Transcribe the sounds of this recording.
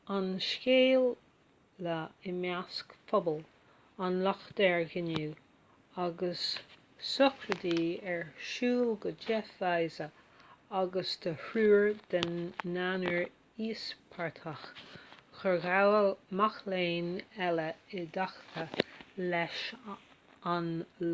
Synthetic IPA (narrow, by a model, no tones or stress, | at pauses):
anʃkeːlː | əɪmjaskfɔbəl | anlɔxd̪̥ɛɹɡɪnuː | aɡəsː | ɔkʰɾəd̪iːɛɹʃuːlɡəd͡ʒɛfajzə | aɡəst̪ʰəhɾuːɹd̪ənːanəɹ | iːspʰaɹt̪ʰəxxəɣmaxleːnɛləɪd̪axt̪ʰəlɛʃ | an